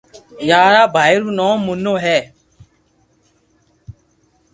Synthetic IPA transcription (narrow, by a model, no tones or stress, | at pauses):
jaːɾaːbʱaːjɾuːnɔ̃ːmʊnːoːɦɛː